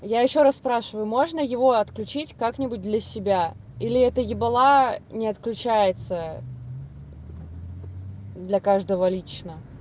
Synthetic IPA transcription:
jajɪɕːo̞ɾasspɾaʂɨvəjʊmo̞ʐnəjɪvo̞ɐt̪klʲʉt͡ɕitʲkaknʲɪbʊt̚ʲd̪lʲɐsʲɪbʲa | ilʲɪɛt̪əjɪbɐlˠanʲɪɐt̪klʲʉt͡ɕæjɪt̪sə | d̪lʲɐkaʐd̪əvəlʲit͡ɕnə

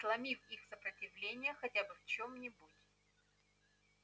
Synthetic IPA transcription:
slˠɐmʲifixsəpɾətʲɪvlʲenʲɪjəxɐtʲabɨft͡ɕomnʲɪbutʲ

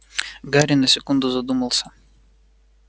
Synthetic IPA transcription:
ɡɑɾʲinɐsʲɛkʊnd̪ʊzɐd̪umɐlˠsɐ

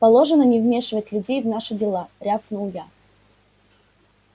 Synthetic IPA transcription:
pɐlˠoʐɨnənʲɪvmʲe̞ʂɨvətʲlʲʊdʲejvnaʂɨdʲɪlˠaɾʲafnəʊja

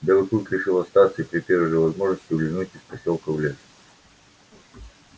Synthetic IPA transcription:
d̪ɐvət̪ut̪ɾʲɪʂɨlˠɐst̪at̪səipɾʲɪpʲeɾʲʐɨvɐzmoʐnəsʲtʲʊɡlʲɪnutʲɪspɐsʲolˠkəvlʲes

